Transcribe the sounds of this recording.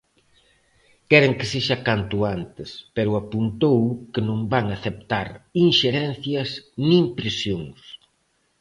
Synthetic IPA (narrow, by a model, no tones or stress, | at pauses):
kɛɾeŋkɪseʃakant̪uant̪ɪspɛɾʊapunt̪owkɪnõmbaŋaθep̚t̪aɾiŋʃeɾɛn̟θjɐsnĩmpɾesjoŋs